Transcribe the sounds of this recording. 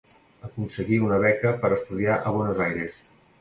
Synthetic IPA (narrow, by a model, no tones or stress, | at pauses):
əkunsəɣiunəβ̞ɛkəpəɾəst̪uðiaʔəβ̞ɔnəzajɾes